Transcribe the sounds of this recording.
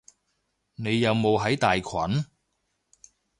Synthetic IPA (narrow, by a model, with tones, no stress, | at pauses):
ne˨˧jːɐ˨˧wmo˨˧wɦɐ˨˥jt̪aː˨jkʰɐ˨˥n